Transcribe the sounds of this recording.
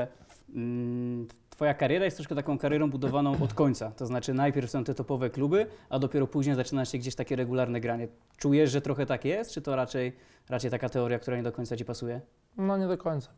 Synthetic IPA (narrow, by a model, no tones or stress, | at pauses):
t̪fɔjakaɾʲjɛɾajɛst̪ɾɔʂkɛt̪akɔ̃w̃kaɾjɛɾɔ̃w̃bud̪ɔvanɔ̃w̃ʔɔt̪kɔɲt̪sat̪ɔznat͡ʂɘnajpʲjɛɾfsɔ̃w̃t̪ɛt̪ɔpɔvɛklubɘad̪ɔpʲjɛɾɔpuʑɲejzat͡ʂɘnaʂɕɛɡd͡ʑeɕt̪akʲɛɾɛɡulaɾnɛɡɾaɲɛ | t͡ʂujɛʂʐɛt̪ɾɔxɛt̪akjɛst̪t͡ʂɘt̪ɔɾat͡ʂɛj | ɾat͡ʂɛjt̪akat̪ɛɔɾʲjak̚t̪uɾaɲɛd̪ɔkɔɲʲt̪sat͡ɕipasujɛ | nɔɲɛd̪ɔkɔɲt̪sḁ